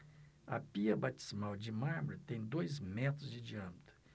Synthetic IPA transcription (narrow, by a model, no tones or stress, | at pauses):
ɐ̰piɐbat͡ʃi̥smawd͡ʒɪmaɾmuɾɐt̪ẽj̃d̪ojzmɛt̪ɾʊzd͡ʒɪd͡ʒiɐ̃mɪt̪ʊ̥